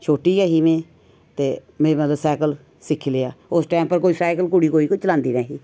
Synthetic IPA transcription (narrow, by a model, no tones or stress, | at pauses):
t͡ʃʰoːʈiːɛːɦiːmẽː | t̪eːmẽːmət̪ləbsaːkəl | sɪkʰːileaːʊsʈaːmpəɾkoːiːsaːkəlkʊɽiːkoːiːkot͡ʃəlãːnd̪iːnaːɦiː